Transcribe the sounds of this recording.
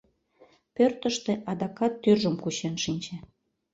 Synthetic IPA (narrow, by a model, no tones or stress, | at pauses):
pørt̪əʃt̪ĕʔɑd̪ɑkɑt̪ːyrʒəmkuɕenʃinʲt͡ɕe